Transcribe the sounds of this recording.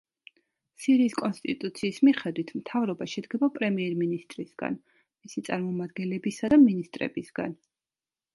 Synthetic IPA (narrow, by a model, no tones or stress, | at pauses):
siɾiːskʼɔnst̪ʼit̪ʼut̪sʰiːsmiχɛd̪wit̪ʰmt̪ʰavɾɔbaʃɛd̪ɡɛbapʼɾɛmiɛɾminist̪ʼɾisɡ̥a̰n | misit̪sʼaɾmɔmad̪ɡɛnlɛbisad̪aminist̪ʼɾɛ̰bisɡa̰n